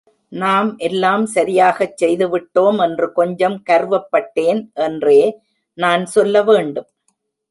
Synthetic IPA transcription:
naːmʔɛlːaːmsɐɾɪjaːɣɐt͡ʃsɛjðɯʋɪʈːoːmɛndrɯkɔɲd͡ʒɐmkɐɾʋɐpːɐʈːeːnʔɛndreː | naːnsɔlːɐʋeːɳɖɯm

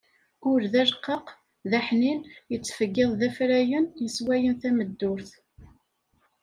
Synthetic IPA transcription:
ʊɾðæʒqːəq | ðæħninjət͡sːfəɡːɪðˤðæfɾæjənjəswæjənθæməd̪ːʊɾθ

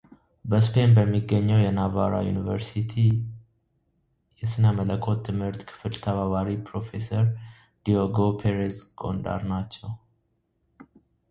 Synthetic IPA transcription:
bəspʰe̞nbəmːiɡːəɲːɛwjɛnavaɾa̰jṵnivə̰ɾsit̪ʰi | jɛsɨnəmələkʰːo̞t̪ʰːɨmhɨɾt̪kʰɨ̥fɨlt̪ʰəβaβaɾipʰɾo̞fe̞səɾ | d̪̥ioɡopʰeɾezɡo̞̰nd̪a̰ɾnat͡ʃːɛw

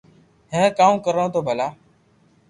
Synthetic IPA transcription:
ɦẽːkãːũːkəɾõːt̪ʰoːbʱəlaː

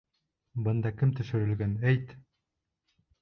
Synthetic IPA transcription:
bɤ̆nd̪ɑkɘmt̪ɵ̆ʃɵ̆ɾɘ̆lɡænæjt̪

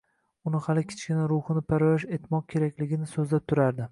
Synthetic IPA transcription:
ʊnɪhalɪkʲʰɪ̥t͡ʃkʲɪnaɾʊhɨnɪpʰaɾvaʃe̞t̪mɒq̚kʲʰe̞ɾakʲlɪɡʲɪnɪsɵzlap̚t̪ʰʊɾaɾd̪ɪ

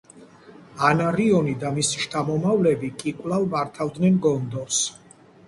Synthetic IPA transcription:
anaɾiɔnid̪amisi̥ʃt̪ʰamɔmavlɛbikʼikʼwlalˠmaɾt̪ʰavd̪nɛnɡɔnd̪ɔs

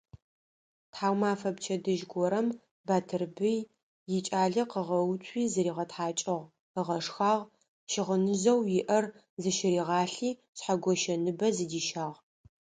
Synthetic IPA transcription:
tħaːwmaːfɐpt͡ʃʰɐdɨʒɡʷɔɾɐm | baːtʰɨrbɨj | jɪt͡ʃʼaːɮɐqəʁɐwtʷʰiːzɐɾiːʁɐtħaːt͡ʃʼɪʁ | əʁɐʂxaːʁ | ʃɪʁənɨzɐwjɪʔɐr | zɨʃɪɾiːʁɑːɬiː | sħaɡʷɔʃɐnɨbɐzɨdiːʃaːʁ

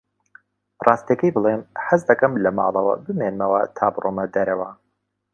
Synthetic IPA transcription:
rʔɑːst̪iɐkɐjbɨlˠemħɨzd̪ɐkɨmlɐmɑ̰ːlˠɐwɐ̰bɨmenmɐwɐt̪ʰaːbrʔoːmɐd̪ɐɾɐwɐ

